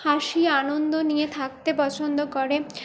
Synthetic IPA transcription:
haʃianond̪onijet̪ʰak̚t̪epɔt͡ɕʰond̪okoɾe

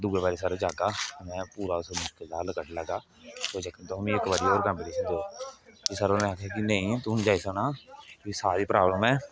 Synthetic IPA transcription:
d̪uːɡebaːɾiːsaːɾõːd͡ʒaːkaːmɛ̃ːpuːɾaːʊsomʊʃkəld̪aːləkəʈləɡaː | soːd͡ʒəkənt̪oɦmĩːɪkbaːɾiːoːɾkəmbɪliːsənd̪eoːt̪eːsaːɾoːmẽakʰːaːkinẽːĩːt̪uːnd͡ʒaːiːsoːnaːsaːɾiːpɾaːbləmɛː

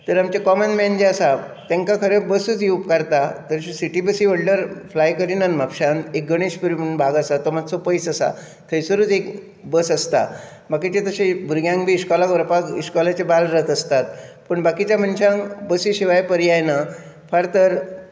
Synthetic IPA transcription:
t̪əɾamt͡ɕekɔmənmɛnd͡ʑeasat̪ɛ̃ŋkakʰəɾebəsut͡sjuupkaɾt̪at̪əɾsiʈibəsiʋəɽɖəɾflajkəɾiːnanmapɕãnek̚ɡəɽ̃iɕpəɾimunbʱaɡasat̪ɔmad͡zt͡sɔpəjsəsa̰ | t̪ʰəjsəɾuːt͡sek | bəsəst̪a̰ | bakit͡ɕet̪əɕẽbʱuɾɡjãŋɡbʱiːskɔlakʋəɾpaɡiɕkɔlat͡ɕebalɾət̪ʰəst̪at̪pəɳbakit͡ɕjamənɕãŋbəsiɕiʋajpəɾiajna | fʰaɾt̪əɾ

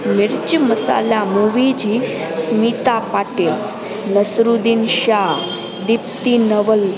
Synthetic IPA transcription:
miɾt͡ɕməsa̰lamuʋid͡ʑismit̪apaʈe | nəsɾud̪inɕa | d̪ip̚t̪inəʋəl

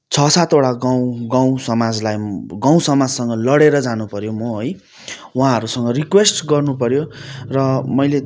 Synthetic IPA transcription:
t͡sʰʌsat̪oɽaɡãɡaw̃sʌmad͡zlajɡaw̃sʌmad͡zsʌŋɡʌlʌɽeɾʌd͡zanupʌɾjomʌɦoj | wɦãɦʌɾusʌŋɡʌrikwesʈɡʌrnupʌɾjorʌmʌjle

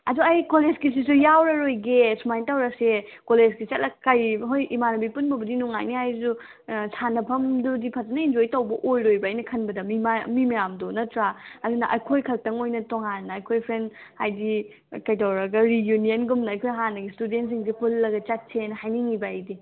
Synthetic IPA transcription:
ɐduɐjkoled͡ʒkis̬is̬ujawɾɐɾojɡesumajntawɾɐsekoled͡ʒɡit͡ʃɐt̚lɐkajɦojʔimanɐbipunbɐbɐdinuŋa̰jnihajzu | sʰanɐpʰɐmdudipʰazɐnɐind͡ʒojtɐwbɐʔojɾojbɐajnɐkʰɐnbɐdɐmimamimɐjamdonɐtɾaɐdunɐʔɐjkʰojkʰɐl̚tɐŋojnɐtoŋanːɐːjkʰojpʰɾen | hajdi | kɐjtawɾɐɡɐɾijunijɐnɡumnɐːjkʰojɦanɐɡistudentsiŋs̬ipulːɐɡɐt͡ʃat̚sʰenhajniŋibɐɐjdi

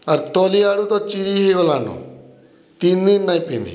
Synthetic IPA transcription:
ɐɾt̪oːliaːɽut̪ot͡ʃiɾiɦiʋəlaːnõ̰ | t̪inːĩnːaːipind̪ḭ

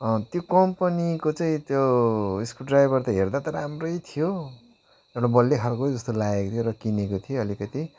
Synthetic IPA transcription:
ʌ̃t̪jokʌmpʌnikot͡saĩt̪joiskuɖrajbʌrt̪ʌɦerd̪at̪ʌɾamrʌjt̪ʰijo | ewʈabʌlːekʰalkod͡zʌst̪olaekot̪ʰjoɾʌkinekot̪ʰijoʌlikʌt̪i

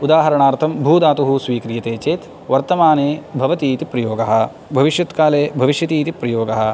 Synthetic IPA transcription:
ud̪aːɦɐɾɐɳaːɾt̪ʰɐmbʱuːd̪aːt̪uɦusʋiːkɾijɐt̪eːt͡ʃeːt̪ | ʋɐɾt̪ɐmaːneːbʱɐʋɐt̪iːt̪ipɾɐjoːɡɐɦɐ̆ | bʱɐʋiʃjɐt̪kaːleːbʱɐʋiʃjɐt̪iːt̪ipɾɐjoːɡɐɦɐ̆

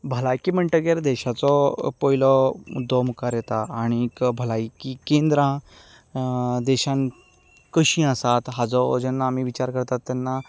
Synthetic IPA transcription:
bʱəlajkim̤əɳʈəɡeɾd̪ɛɕat͡sɔpɔilɔud̪ɔmukaɾjet̪aːɽ̃ikbʱəlaikikend̪ɾã | d̪ɛɕãn | kəɕĩəsat̪ɦad͡zɔd͡ʑɛnːaːmiʋit͡ɕaɾkəɾt̪at̪ːanːa

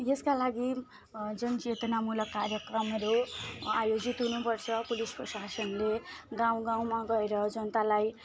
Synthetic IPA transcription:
jeskalaɡi | d͡zʌnt͡set̪ʌnamulʌkːarjʌkrʌmʌɾoajod͡zit̪ɦunupʌrt͡sʰʌpuliskosasʌnleɡãw̃ɡãw̃maɡʌeɾʌd͡zʌnʌt̪alaj

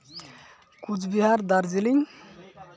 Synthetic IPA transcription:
kut͡sbiɦaɾd̪aɾd͡ziliɲ

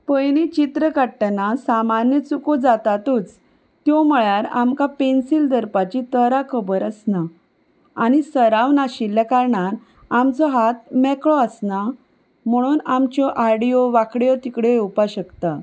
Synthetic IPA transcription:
pəjnit͡ɕit̪ɾəkaɽʈanasamanjət͡sukud͡zat̪at̪ut͡s | t̪jɔməɭaɾamkapensild̪əɾpat͡ɕit̪əɾakʰəbəɾəsna | añisəɾaʋnaɕilːjakaɾɳan | amt͡sɔɦat̪mɛkɭɔəsna | m̤əɽ̃uːnamt͡ɕjɔʔaɽioʋakɽjɔt̪ikɽeupaɕəkt̪a

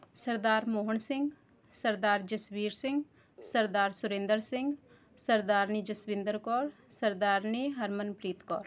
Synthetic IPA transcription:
səɾd̪aːɾmoːɦəɳsɪ̃ŋɡ | səɾd̪aːɾd͡ʒəsbiːɾsɪ̃ŋɡ | səɾd̪aːɾsʊɾẽːnd̪əɾsɪ̃ŋɡ | səɾd̪aːɾniːd͡ʒəsʋɪ̃nd̪əɾkɔːɾsəɾd̪aːɾniːɦəɾmənpɾiːt̪kɔ̰ːɾ

